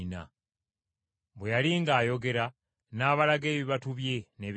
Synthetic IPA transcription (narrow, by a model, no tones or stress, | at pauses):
na̰ | βwejaliŋɡaːjo̞ɡe̞ɾa | naːβalaɡe̞ːβiβatuβje̞ne̞β